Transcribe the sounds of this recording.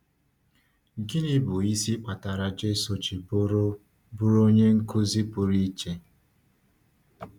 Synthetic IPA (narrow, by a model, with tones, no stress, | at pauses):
ɡi˦ni˦bʊ˨i˦si˦k͡pa˨ta˨ɾa˨d͡ʒe˦so˨t͡ʃi˨bo˦ɾo˦ | bʊ˦ɾo˦ɲe˦ŋ̩˦kʊ˦zi˦pʊ˨ɾi˦t͡ʃe˦